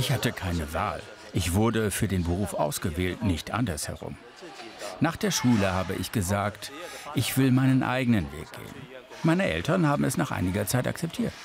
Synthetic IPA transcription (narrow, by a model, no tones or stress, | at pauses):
ʔɪçhatəkʰaɪnəva̰ːl | ʔɪçv̥ʊɐdəfyːɐdeːnbəʁ̞uːfʔa̰ʊsɡ̥əvɛːltnɪçtʔa̰ndɐshɛ̰ʁʊ̰m | naːχd̥eːɐʃuːləhaːbə̰ʔɪ̰çɡ̥əzaːktʔɪçv̥ɪlmaɪnənʔa̰ɪɡənənvḛːk̚ɡ̥ḛːə̰n | maɪnəʔɛ̰ltɐnhaːbm̩ɛ̰snaːχʔa̰ɪnɪɡɐt͡saɪta̰kt͡sɛp̚tʰiːɐt